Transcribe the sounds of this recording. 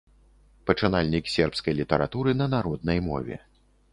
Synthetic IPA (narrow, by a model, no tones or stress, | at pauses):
pɐt͡ʂɨnalʲnʲiksʲɛrpskɐjlʲit̪ɐɾa̰t̪uɾɨnɐnaɾɔd̪̚nɐjmɔ̰vʲɛ̰